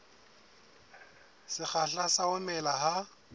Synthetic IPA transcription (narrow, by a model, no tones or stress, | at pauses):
sɪk͡xaɬasaʊnɛlaɦa